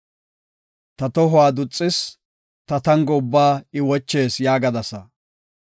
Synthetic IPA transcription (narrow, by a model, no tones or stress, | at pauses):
t̪ɐt̪ɔɦʊaːd̪ʊt͡sʼːɪs | t̪ɐt̪ɐŋɡɔʊbːaːɪwɔt͡ʃːe̞ːsjaːɡɐd̪ɐsɐ